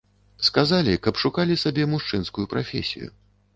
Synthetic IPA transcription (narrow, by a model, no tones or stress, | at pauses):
skazalʲikɐpʂukalʲisabʲɛmuʂt͡ʂɨnskujupɾafʲḛsʲḭjṵ